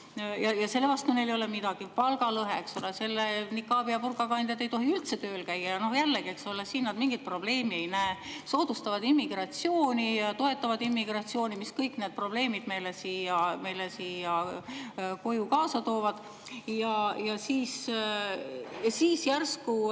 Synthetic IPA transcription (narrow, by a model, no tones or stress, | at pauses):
jɑjɑse̞lːevɑst̪unelo̞lemid̪̥ɑɡ̥ipɑlɡɑlɤɦeeksolese̞lːenikːˑɑːb̥iɑpurkɑkɑnd̪jɑt̪ːˑe̞jt̪o̞ɦiylt̪se̞t̪ø̞ːlkæjːɑjɑno̞hjælːeɡie̞ksolesiːnːɑd̪miŋɡ̥it̪̚pro̞b̥le̞ːmie̞jnæeso̞ːd̪̥ust̪ɑvɑd̪̥imːiɡ̥rɑt̪sio̞ːnʲijɑt̪o̞e̞t̪ːˑɑvɑd̪imːiɡ̥rɑt̪sio̞ːnimiskɤjkˑne̞ːd̪̚pro̞b̥le̞ːmid̪̥me̞jlesiːjɑme̞jlesiːjɑ | ko̞jukɑːsɑt̪o̞ːvɑd̪̥ | jɑjɑsiːs | siːsjærsku